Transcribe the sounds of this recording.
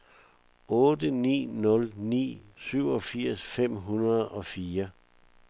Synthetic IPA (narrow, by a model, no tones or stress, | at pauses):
ɔːd̥ənḭːnɔ̽lnḭːsyʊ̰ɒ̽fiɐ̰sfem̰ɦunɐð̞ˠɒ̽fiːɐ